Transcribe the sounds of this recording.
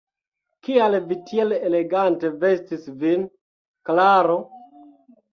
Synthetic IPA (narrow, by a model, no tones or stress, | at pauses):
kialvitʰielele̞ɡante̞ve̞stisvin | klaɾo